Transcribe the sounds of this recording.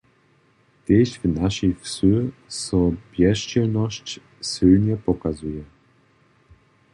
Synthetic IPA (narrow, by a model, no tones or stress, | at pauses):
t̪ʲeɕvnaʃixsøsɔpjɛʃt͡ɕɛlnɔɕt͡ɕ | sɪlɲɛpɔkazujɛ